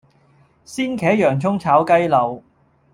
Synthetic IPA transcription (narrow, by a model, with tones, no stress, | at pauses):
siː˥nkʰɛː˨˥jœː˨˩ŋt͡sʰʊ˥ŋt͡sʰaː˨˥wkɐ˥jlɐ˨w